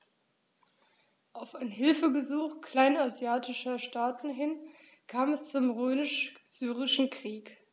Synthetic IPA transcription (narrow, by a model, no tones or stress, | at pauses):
ʔaʊfaɪnɦɪlfəɡəzuːxkʰl̥aɪnazjaːtʰɪʃɐʃtaːtn̩ɦɪn | kʰaːmɛst͡sʊmʁøːmɪʃz̥yːʁɪʃn̩kʁ̥iːk